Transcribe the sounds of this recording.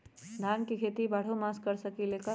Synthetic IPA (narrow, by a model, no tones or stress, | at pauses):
d̪ʱaːnkikʰeːt̪ibaːɽ̤omaskəɾsəkileːkə